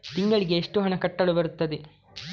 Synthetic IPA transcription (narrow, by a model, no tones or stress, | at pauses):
t̪iŋɡɐɭiɡe̞ːʂʈuɦɐɳɐkɐʈːɐɭubɐɾut̪ːɐd̪e